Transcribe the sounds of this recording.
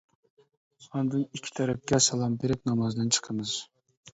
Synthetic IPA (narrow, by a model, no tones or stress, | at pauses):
ɑnd̪ɨnikʲʰːi̥t̪ʰɛɾɛp̚kʲɛsɑlˠɑmbeɾɪp̚nɑmɑzd̪ɨnt͡ʃʰə̥qʰəmɨz̥